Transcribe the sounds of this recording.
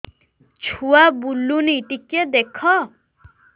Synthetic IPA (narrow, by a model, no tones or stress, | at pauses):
t͡ʃʰuabulːuniʈiked̪ekʰɔ